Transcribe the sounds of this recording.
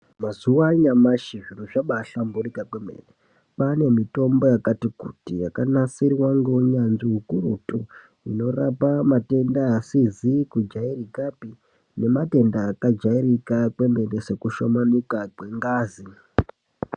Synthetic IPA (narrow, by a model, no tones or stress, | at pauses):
mazuwaɲamaʃiʐiruʐaɓaɬamburikakwemḛne | pane̞mito̞mbo̞jakatikutijakanasirwaŋɡouɲanʐiɦukurutu | ino̞rapamate̞ndaːsizikud͡ʒairikapi | ne̞mate̞ndaːkad͡ʒairikakwe̞me̞nese̞kuʃomanikakwe̞ŋɡaːzi